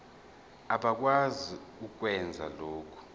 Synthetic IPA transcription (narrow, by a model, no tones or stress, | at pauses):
aɓak̬waziuk̬wɛnd͡zʱa̰loːkʰu̥